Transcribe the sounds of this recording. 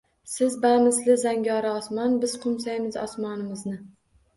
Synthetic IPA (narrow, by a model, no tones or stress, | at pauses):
sɪzbamɪslɪzaŋɡʲɒɾɪɒsmɒnbɪz̥qʰʊmsajmɪzɒ̰smɒnɪmɪznɪ